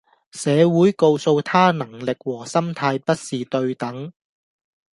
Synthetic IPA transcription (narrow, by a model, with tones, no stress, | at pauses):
sɛː˨˧wuː˨˥jko˧wso˧wt̪ʰaː˥nɐ˨˩ŋlɪ˨k̚wɔː˨˩sɐ˥mt̪ʰaː˧jpɐ˥t̚siː˨t̪ɵ˧ɥt̪ɐ˨˥ŋ